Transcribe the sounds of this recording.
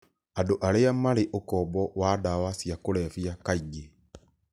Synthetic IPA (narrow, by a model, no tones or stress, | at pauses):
adoʔaɾeamaɾeʔokɔbɔwadawasjakoɾɛfijakaiɡe